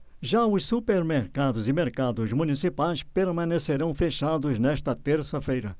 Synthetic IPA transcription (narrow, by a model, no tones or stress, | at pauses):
ʒaʊssupeɾmeɾkad̪ʊzɪmeɾkad̪ʊzmunisipajspeɾmɐ̃neseɾɐ̃w̃feʃad̪ʊznɛʃt̪ɐt̪eɾsɐfejɾɐ